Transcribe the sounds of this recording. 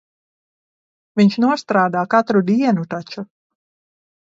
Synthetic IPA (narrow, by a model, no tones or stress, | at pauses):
viɲʃnuɔst̪ɾaːd̪aːkat̪ɾud̪iɛnut̪at͡ʃu